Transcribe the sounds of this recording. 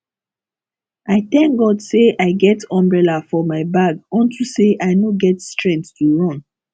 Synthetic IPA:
aɪθɛ̃ŋk̚ɡɔdseʔaɪɡɛtɔ̃mbɹɛlafɔmaɪbaɡɔ̃ntʰuseʔaɪnoɡɛtstɹɛ̃ŋttuɹɔ̃n

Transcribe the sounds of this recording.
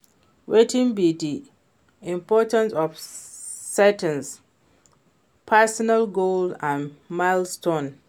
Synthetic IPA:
wetʰɪ̃nbidi | ĩmpʰɔtãnsɔfsɛtʰə̃ns | pʰɛsɔnalɡoldãnmaɪlstõn

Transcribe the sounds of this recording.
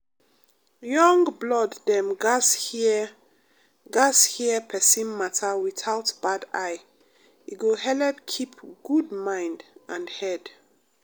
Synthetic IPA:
jɔ̃ŋblɔdːɛ̃mɡas | ɡashiəpʰɛsĩnmatʰawiθaʊtb̥adaj | iɡohɛlɛpkʰipɡ̥udmãj̃ndʔãnhɛd

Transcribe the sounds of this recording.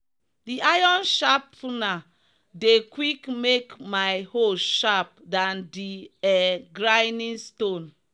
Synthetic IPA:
diajɔ̃nʃapːuna | dekwikmekmajhoʃap̚dãndiɛɡɹajnĩnstõn

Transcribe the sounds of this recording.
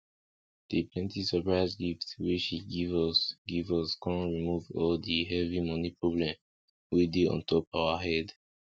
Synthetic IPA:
d̥iplɛ̃ntisəpɹaɪzɡiftwit͡ʃiɡivɔsɡivɔskʰɔ̃ɹimuvɔldiɦɛvimɔnipʰɹɔblɛ̃m | wideɔ̰̃ntʰɔpawaɦɛd

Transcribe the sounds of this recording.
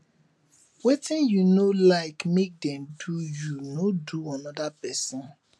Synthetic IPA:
wetĩnjunolaɪkmek̚dɛ̃mdujunoduanɔdapɛsɔ̃n

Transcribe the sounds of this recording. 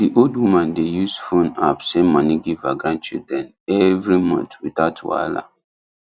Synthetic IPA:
diʔoldwumãndejusfõna̰psɛ̃mɔ̃niɡivaɡɹãnd̚t͡ʃḭdɹɛ̃n | ɛvɹimɔ̰̃ntwitatʰwa̰la̰

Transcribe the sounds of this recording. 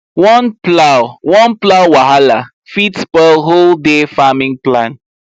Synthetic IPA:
wɔ̃nplawwɔ̃nplawwaɦala | fitbɛlɦoldefamĩŋplãn

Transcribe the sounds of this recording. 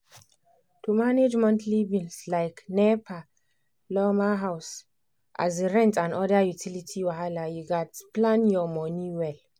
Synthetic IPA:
tʰumaned͡ʒmɛ̃ntʰlivĩŋslaɪknɛpʰa | lɔmaɦaʊs | ʔa̰zeɹɛ̃ntãnɔdajutʰilitʰiwaɦalajuɡatplãnjɔmɔniwɛl

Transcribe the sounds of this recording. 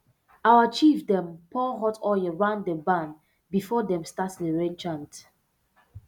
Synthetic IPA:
awət͡ʃifdɛ̃mpʰɔɦɔtʰɔəɹãndəbãn | bifɔdɛ̃mstatsdəɹɛ̃nt͡ʃãnt

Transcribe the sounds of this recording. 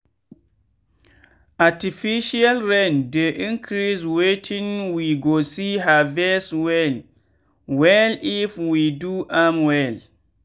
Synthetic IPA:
ʔatifiʃialɹɛ̃ndeʔĩnkʰɾiswetʰĩnwiɡosiɦavɛswɛl | wɛlifwiduʔamwɛl

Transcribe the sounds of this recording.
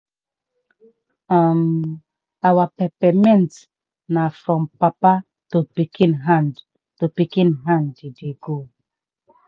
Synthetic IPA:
am | awapɛpɛmɛ̃nt | nafɹɔ̃mpapa | topikĩnɦãnd | topikĩnɦãnd͡ʒideɡo

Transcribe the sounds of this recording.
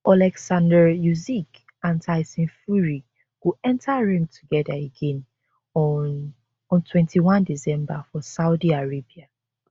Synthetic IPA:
ʔalɛksãndəjuzik | ãntʰaɪsĩnfuɹi | wuɛ̃ntʰaɹĩŋtʰuɡɛðaeɡɛ̃n | ɔ̃ntʰwɛ̃ntiwãndisɛ̃mbafɔsaʊdiaɹebia

